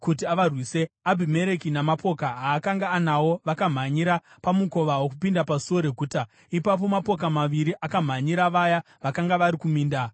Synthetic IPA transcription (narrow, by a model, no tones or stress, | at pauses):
kut̬iaʋarwise̞abʱime̞ɾe̞kinamapo̞kaɦaːkaŋɡaːnawo̞ʋakam̤aɲiɾapamuko̞ʋawokupindapasuo̞ɾe̞ɡʱuːta | ipap̬o̞mapo̞kamaʋiɾiʔakam̤aɲiɾaʋaja | ʋakaŋɡaʋaɾikumiːnda